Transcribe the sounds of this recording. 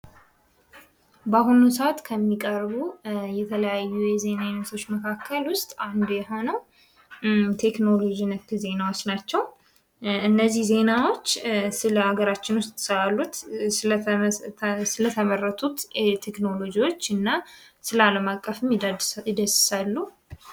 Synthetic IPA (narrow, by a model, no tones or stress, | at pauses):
baɦununsəʔat̪kʰəmːikʼəɾβujɛt̪ʰələjajːujɛze̞najnːət̪ʰo̞t͡ʃːməkʰakʰːəlwʊst̪ʼand̪ujɛho̞nəw | t̪ʰe̞kno̞lo̞d͡ʒinəkk̪ʰize̞nawo̞t͡ʃːnat͡ʃːɛw | ɨnːəzːihze̞nawo̞t͡ʃːsɨləhaɡəɾat͡ʃːɪnwʊst̪ʼsəalːut̪sl | sɨlət̪ʰəmərːət̪ʰut̪t̪ʰe̞kno̞lo̞d͡ʒiwo̞t͡ʃːɨnːa | sɨlaləmakʼːəfɨmɪd̪əsɨ̥salːu